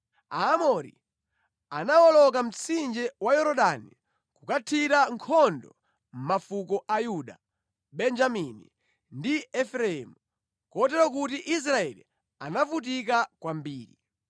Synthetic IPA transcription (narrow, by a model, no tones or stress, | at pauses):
aːmɔɾḭ | anawɔlɔk̬am̩t͡sʰind͡ʒɛwajɔɾɔɗani | kukatʰiɾaŋkʰɔndɔ̰ | m̩mafukɔʔajuɗa̰ | ɓɛnd͡ʒamini | ndiɛfɾɛɛmu | kɔtɛɾɔkutiʔis̬ɾaɛli | anavut̬ikakwambiːɾḭ